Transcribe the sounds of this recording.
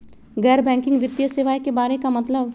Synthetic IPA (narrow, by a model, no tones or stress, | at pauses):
ɡɛːɾbɛ̃ːŋkɪ̃ŋɡʋɪd̪jəseːʋaːjkebaːɾekamɐt̪ləb